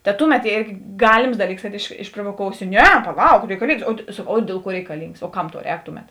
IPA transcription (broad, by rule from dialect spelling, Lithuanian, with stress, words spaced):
tɐ ˈtʊˌmʲɛt ˈeːrʲɡʲɪ ˈɡɑːlʲɪms ˈdɑːˌlʲiːks kɐt ɪʃ ɪʃproːʋoːˈkoːʊsʲɪ ˈnʲɛ pɐˈlˠɐʊk rʲɛɪkɐˈlʲiːŋks oː ˈdʲeːlˠ ˌkuɔ rʲɛɪkɐˈlʲiːŋks oː ˈkɐm tɐʊ ˈrʲɛːk ˈtʊˌmʲɛt